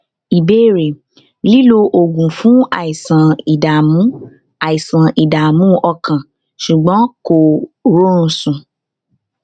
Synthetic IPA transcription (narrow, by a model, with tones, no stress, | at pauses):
i˨be˦˨ɾe˨ | li˦lo˧ʔo˨ɡũ˨fũ˨˦a˨i˨sã˨i˨da˨mũ˨˦ | a˨i˨sã˨i˨da˨mũ˦ʔɔ˧kʰã˨ | ʃu˨ɡ͡bɔ̃˨˦ko˨ɾo˦ũ˧˦sũ˨